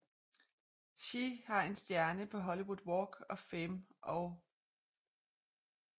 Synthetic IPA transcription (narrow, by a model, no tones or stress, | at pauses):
ɕihɑ̈e̝nsd̥jæɐnəpʰɒ̽ɦɒ̽liwuðˠwɒːɡ̥ɒ̽femʔɒʊ